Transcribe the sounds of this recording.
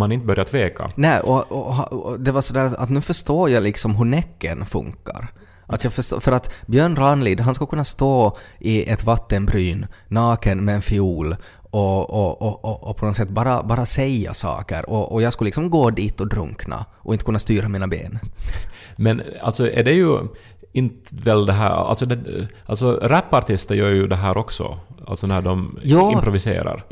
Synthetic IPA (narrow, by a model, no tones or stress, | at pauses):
manɪnt̪əbœɾjat̪ʰveːkʰa̰nɛʔɔɔɦad̪ɛvasɔd̪æːɾaa̰t̪nʉːfœʂt̪oːjɑlɪksɔmɦɵɳɛkːənfɵ̰ŋkːa̰ɾ | ʔat̪jɑːfœʂto̰fœɾat̪bjœːɳɾanliːd̪ɦanskakɵnːast̪oːʔɪʔɛt̪vat̪ːənbɾyːnːɑːkənmɛɛnfɪuːl | ɔɔɔɔɔpʰɔnɔsɛt̪ːbɑːɾa̰bɑːɾasɛja̰sɑ̰ːkə̰ɾɔʔɔjɑːɡskɵlːɪksɔmɡoːd̪iːt̪ɔd̪ɾɵ̰ŋkna̰ʔɔɪnt̪ə̥kɵnːast̪yːɾamiːnabḛːn | mɛna̰lt̪sɔʔɛ̰ɖɛjɵ | ɪnt̪vɛld̪ɛɦæ̰ːa̰lsɔd̪ɛ | alt̪sɔɾɛpːaɾt̪ʰɪst̪əɾjœːɾjɵd̪ɛɦæːɾʔɔksɔ̰a̰lt̪sɔnæɖɔmjɑːɪmpɾʊvɪsḛːɾa̰ɾ